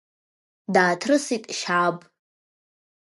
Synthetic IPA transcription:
daːtʰrɨsitʼʃabʼ

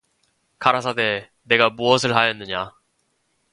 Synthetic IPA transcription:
kaɾas̬ʰade̞ | ne̞ɡamuʌsʰɯɭɦajʌnːɯɲa

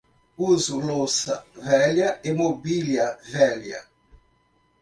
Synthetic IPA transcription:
uzulosɐ̰vɛljɐemobiljɐvɛljɐ̰

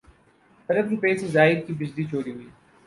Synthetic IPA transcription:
ɐɾəbɾipeːsezaːɪɾkibɪd͡ʑlit͡ʃʰoːɽiɦʊiː

